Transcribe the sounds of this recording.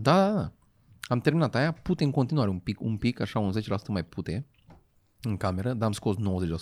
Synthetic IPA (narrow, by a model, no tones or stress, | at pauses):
d̪ad̪ad̪a | amt̪eɾminat̪ajaput̪ẽŋkõnt̪inuaɾeũmpikṵ̃mpikaʃaũnzet͡ʃlast̪ə̃majput̪e | ɨŋkameɾəd̪amskoznowzeʒas